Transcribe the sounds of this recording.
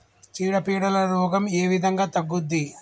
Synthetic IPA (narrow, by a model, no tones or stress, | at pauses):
t͡ʃiːɽɐpiːɽɐlɐɾuːɡɐmeːʋid̪ʱɐŋɡaːt̪ɐɡːud̪ːi